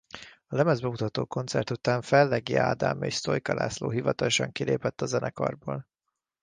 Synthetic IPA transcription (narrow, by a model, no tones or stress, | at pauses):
ɒlɛmɛzbɛmut̪ɒt̪oːko̞nt̪sɛ̰rt̪ut̪aːɱfɛlːɛɡia̰ːd̪aːmeːʃst̪o̞jkɒla̰ːsloːɦivɒt̪ɒloʃɒŋkileːpɛt̪ːɒzɛnʔɛkɒ̰rboːl